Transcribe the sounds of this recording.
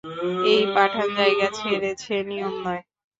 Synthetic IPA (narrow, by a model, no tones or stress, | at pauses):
ejpaʈʰand͡ʑaeɡat͡ɕʰeɾet͡ɕʰenijomnɔe